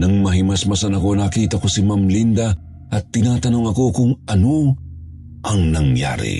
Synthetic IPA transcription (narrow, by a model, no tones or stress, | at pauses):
nɐŋmɐɦimɐsmɐsanɐko̞nakiːt̪ɐko̞simamlind̪ɐ | ʔɐt̪ːɪnaːt̪ɐnoŋɐko̞kʊŋɐno | ʔɐŋnɐŋja̰ːɾḭ